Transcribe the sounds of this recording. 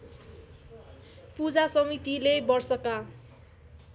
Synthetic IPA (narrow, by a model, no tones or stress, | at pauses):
pud͡zasʌmit̪ilebʌrsʌka